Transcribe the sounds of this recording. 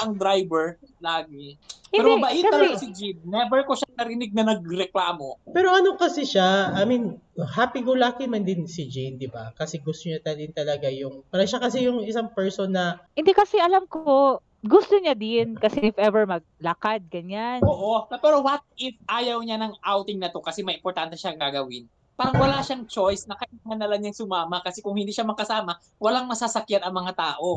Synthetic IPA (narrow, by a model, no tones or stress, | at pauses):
ʔɐŋd̪ɾajbɛɹlaːɡihɪɛɾoɐbaʔjɪkɐɐlɐɡasɪd͡ʒinnɛbɛɹkoʃaŋnɐɾɪnɪɡ̚nɐnɐɡ̚ɾɛklaːmopɛːɾo̞ʔɐnokɐsɛʃaɐminohaːpikolaːkɪmɐnd̪ɪnsid͡ʒind̪ɪba̰kɐsɛɡʊst̪oɲat̪ɐd̪ɪnt̪ɐlɐɡajʊŋpaːɾɐʃakɐsɛjʊŋʔɪsaŋpɛɹsonːɐhɪnd̪ɛkɐsɛʔɐlamko | ɡʊst̪oɲad̪ɪnkɐsɛʔɪfʔɛvɛɹmɐɡ̚lɐkad̪̚ɡɐɲanʔoːʔonɐpɛɾowɐt̪̚ɪfʔaːjɐwɲanɐŋʔawt̪ɪŋnɐt̪o̞kɐsɛmɐjʔɪmpoɾt̪ant̪ɛʃaŋɡaɡɐwɪn | paːɾɐŋwɐlaːʃaŋt͡ʃo̞jsnɐkɐɪnɐmɐnɐlaŋɲɐŋsʊmaːmɐkɐsɛkʊŋhɪnd̪iːʃamɐkɐsaːmɐ | wɐlaŋmɐsasɐkjanɐŋmɐŋat̪aːʔo